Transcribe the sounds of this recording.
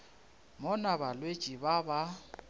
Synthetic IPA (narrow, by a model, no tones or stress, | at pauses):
mɔnabalwe̥t͡ʃʼibaba